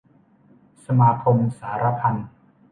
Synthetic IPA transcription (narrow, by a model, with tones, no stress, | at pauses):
sa˧maː˧kʰo˧msaː˩˦ɾa˧pʰa˧n